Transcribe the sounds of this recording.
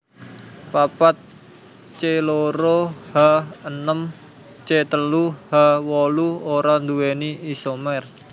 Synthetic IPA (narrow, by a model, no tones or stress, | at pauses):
papat̪̚ | t͡ʃeloɾohaənəm | t͡ʃet̪əluhawɔluoɾand̪uweniːsomɛr